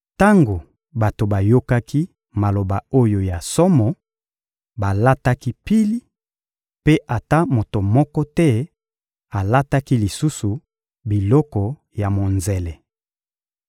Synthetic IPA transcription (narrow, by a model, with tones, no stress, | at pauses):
ta˦ŋɡo˨ | ba˨to˨ba˨jo˦ka˦ki˦ | ma˨lo˨ba˨o˦jo˨ja˨sɔ˦mɔ˨ | ba˨la˦ta˦ki˦pi˦li˦ | pe˦ʔa˨ta˦mo˨to˨mɔ˦kɔ˦tɛ˦ | a˨la˦ta˦ki˦li˨su˦su˨ | bi˨lɔ˦kɔ˨ | ja˨mo˨nze˨lɛ˨